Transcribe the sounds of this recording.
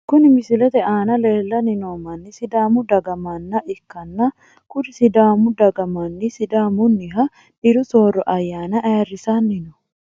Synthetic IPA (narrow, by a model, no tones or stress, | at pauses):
kʊnɪmɪsɪlɛt̪ɛaːnɐleːlːɐnɪnoːmɐnːɪsɪd̪aːmʊd̪ɐɡɐmanːɐʔɪkːɐnːɐ | kʊd̪ɪsɪd̪aːmʊd̪ɐɡɐmanːɪsɪd̪aːmʊnːɪɦɐ | ᶑɪɾʊso̞ːrːɔʔɐjːaːnɐʔɐjɐrːɪsanːɪnɔ̥